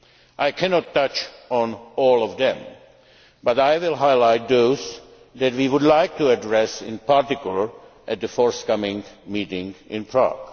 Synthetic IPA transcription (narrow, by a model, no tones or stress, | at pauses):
ʔaɪkʰænɔtʰːʌt͡ʃn̩ɔlˠɔvðɛ̃m | bʌɾaɪwɪlˠɦaɪlaɪt̪̚ðoʊz | ðæt̚wiwʊdlaɪk̚tuɨdɹɛsɪ̰̃npaɹtɪkjl̩ˠə˞ | ʔɨt̪̚ðɨfɔɹskʌmɪ̃ŋmiɾɪ̃ŋɪ̃npʰɹɑ̰ɡ̥